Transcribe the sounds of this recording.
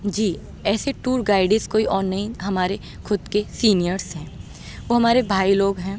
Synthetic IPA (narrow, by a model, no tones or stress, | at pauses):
d͡ʒiː | ɛːseʈuːɾɡaːɪɖɪ̃skoːiʔɔːɾnɐɦĩɦɐmaːɾe | kʰʊd̪kesiːnijəɾsɦɛ̃ː | ʋoːɦɐmaːɾebʱaːiloːɡɦɛ̃ː